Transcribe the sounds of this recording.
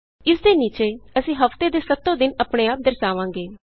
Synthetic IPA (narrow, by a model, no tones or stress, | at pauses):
ɪsd̪eːniːt͡ʃeːəsĩːɦəft̪eːd̪eːsət̪ːõːd̪ɪnəpɽeːaːp̚d̪əɾsaːʋãːŋɡeː